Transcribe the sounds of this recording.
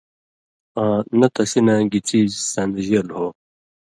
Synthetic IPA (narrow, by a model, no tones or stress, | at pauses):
ãːnɐt̪ɐsinãɡit͡sisɐ̃nd̪ʑelhoː